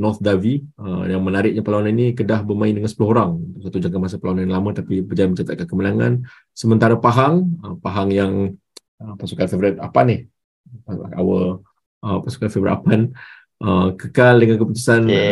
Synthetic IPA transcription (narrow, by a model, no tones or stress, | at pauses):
nɔrt̪̚daviəjaŋmənaɾɪk̚ɲapəlawananinikədahbərmãɪ̃ndəŋansəpulʊhoɾaŋunt̪ʊksat̪ud͡ʒaŋkamas̬əplawananlamə̃t̪apibəd͡ʒajamət͡ʃat̪at̪̚kankəmənaŋan | səmə̃nt̪aɾəpaɦaŋəpaɦaŋjaŋ | əpasukanfevɾɪt̪̚apanɪh | aa̰wə | ʔəpasu̥kanfevɾɪ̰t̪apan | ʔəkəkaldəŋankəput̪u̥san